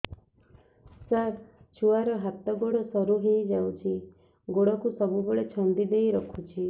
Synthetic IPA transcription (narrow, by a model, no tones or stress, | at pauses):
saɾt͡ʃʰuaɾɔɦat̪ɔɡoɽɔsɔɾuɦejd͡ʒawt͡ʃʰi | ɡoɽɔkusɔbubeɭet͡ʃʰɔnd̪id̪ejɾɔkʰut͡ʃʰi